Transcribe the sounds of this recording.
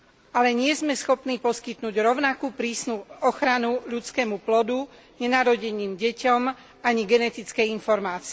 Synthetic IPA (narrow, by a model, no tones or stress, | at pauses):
alɛɲɪɛzmɛsxɔpniːpɔskit̪nuːɟɾɔʊnakuːpɾiːsnuɔxɾanuʎut͡skɛːmuplɔd̪u | ɲɛnaːɾɔɟɛɲiːmɟɛcɔm | aɲiɡɛnɛt̪it͡skɛjinfɔɾmaːt͡siɛ